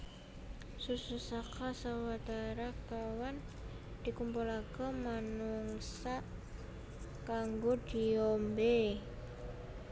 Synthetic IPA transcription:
sususakasawat̪aɾakawan | d̪̥ikumpulakəmanuŋsaʔ | kaŋɡod̪̥iɔmbe

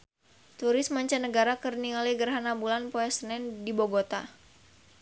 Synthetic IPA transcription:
t̪uɾɪsmaɲt͡ʃanəɡaɾakərnialiɡərɦanabulanpoɛsənɛndiboɡot̪a

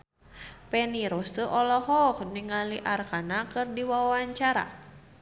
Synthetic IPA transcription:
pɛniɾɔst̪əʔɔlɔɦɔkniŋaliʔarkanakɨrdiwawawaɲt͡ʃaɾa̰

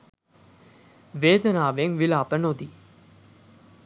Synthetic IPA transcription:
ʋeːd̪ənaːʋeŋʋilaːpənod̪i

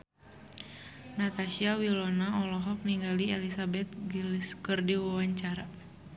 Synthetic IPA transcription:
nat̪aʃiawilɔnaɔlɔɦɔk̚niŋɡaliɛlisabɛt̪̚ɡilskɨrdiwawaɲt͡ʃaɾa

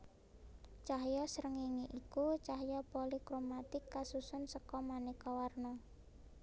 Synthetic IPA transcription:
t͡ʃaɦjɔsəɾəŋiŋiʔikut͡ʃaɦjɔpolikɾomat̪ɪkːasusʊnsəkɔmanikɔwarnɔ

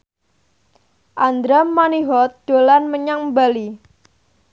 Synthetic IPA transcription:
ʔand̪ɾamaniɦɔt̪̚d̥olanməɲaŋbali

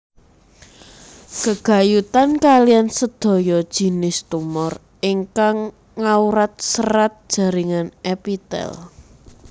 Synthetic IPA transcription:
kəɡ̥a̤jut̪ankalijansəd̪̥o̤jɔd̥ʒ̥i̤nɪst̪umɔr | iŋkaŋː | auɾat̪̚səɾat̪̚d̥ʒ̥a̤ɾiŋanʔɛpit̪ɛ̰l

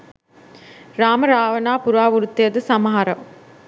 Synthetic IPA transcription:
ɾaːmɐɾaːʋɐnaːpuɾaːʋuɾut̪ːijɐd̪ɨsɐmɐɦaɾɐ̰m

